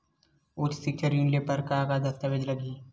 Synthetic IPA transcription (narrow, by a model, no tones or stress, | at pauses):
ʊt͡ʃsɪk̚t͡ʃəɾjuːnɪlepɐɾkaːkad̪ɐst̪əʋed͡ʒlɐɡiː